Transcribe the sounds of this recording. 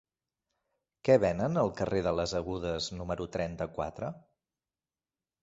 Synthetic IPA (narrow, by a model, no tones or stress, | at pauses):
kɛβɛnənəlˠkəreðələzəɣuð̞əznuməɾut̪ɾɛnt̪əkwa̰t̪ɾə